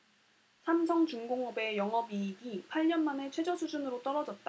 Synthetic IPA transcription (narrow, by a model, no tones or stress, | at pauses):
sʰamsʰʌŋt͡ɕuŋɡoŋʌbe̞jʌŋʌbiːɡipʰaɭɲʌnmane̞t͡ɕʰwe̞d͡ʑʌsʰud͡ʑunɯɾot͈ʌɾʌd͡ʑʌt̚t͈a